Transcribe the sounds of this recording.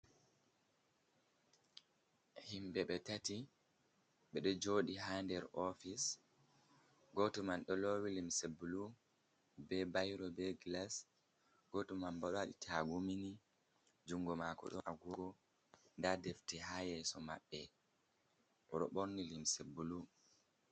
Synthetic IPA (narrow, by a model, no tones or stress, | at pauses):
himbɛɓɛtati | ɓɛɗɔd͡ʒoːɗiɦandɛɾɔfis | ɡotumanɗɔlowilimsebulu | bɛbajɾɔbɛɡlas | ɡ̥otumambaɗɔaɗḭtʰaɡumini | d͡ʒuŋɡɔmakɔ̰ɗɔ̰ʔaɡuɡɔ | ndadeftihajɛsɔma̰ɓːɛ | ɔɾɔ̰ɓoɾnilimsebulu